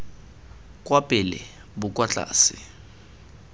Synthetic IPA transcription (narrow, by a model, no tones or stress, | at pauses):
kʼwapʼɪlɛ̰ | bʊkʼwat͡ɬʼa̰ːsɪ